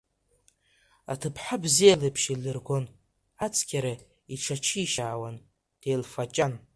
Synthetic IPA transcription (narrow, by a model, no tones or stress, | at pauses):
a̰tʰɨpʰħabzijalɨpʰʃilɨrɡʷon | at͡sʰʼkʲʰaɾa | iʈ͡ʂʰat͡ʃʰiːʃaːwan | d̥ejlfat͡ʃʼan